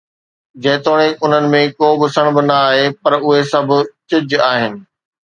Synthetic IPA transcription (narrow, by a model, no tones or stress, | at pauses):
d͡ʑɐːɪt̪oːɽ̃eʊn̤ənɪ̆mẽkoːbɪsəɽ̃bɪ̆nɐaːɦepɐɾʊɦesɐbʱʊ̆t͡ɕɪd͡ʑaːɦɪnɪ̆